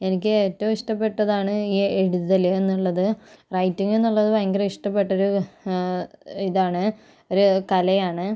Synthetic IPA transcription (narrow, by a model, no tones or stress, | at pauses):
e̞nikʲːɨeːtːɐmiʂʈɐpːe̞ʈːɐðaːɳɨiːe̞ɽuðɐle̞nːuɭːɐðɨrɐjtːiŋɡe̞nːuɭːɐðɨʋɐjɐŋɡɐlɐiʂʈɐp̬ːe̞ʈːo̞ɾu | iðaːɳɨ | o̞ɾukɐlɐjaːɳɨ